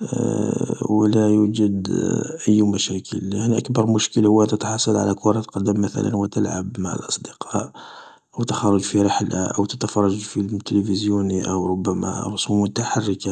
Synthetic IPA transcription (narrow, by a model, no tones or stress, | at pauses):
wlæjud͡ʒəd̪ʔəjːmæʃækʰə̰ljaʕniʔəkbɑɾˤmʊʃkəlhʊwːæt̪ət̪ħɑsˤːɑlʕa̰lækʊɾˤɑt̪qɑd̪ːəmːæθæ̰lʔə̰nwət̪əlʕa̰bmaʕa̰lʔɑsˤd̪əqʰɑʔ | ʔəwt̪əxɑrˤɑʒfiɾəħla̰ʔə̰wt̪ət̪afɑrˤːɑʒfilt̪ələfəzjuniʔəwɾˤʊbːæmæ̰ɾˤʊsumʊt̪aħarːəka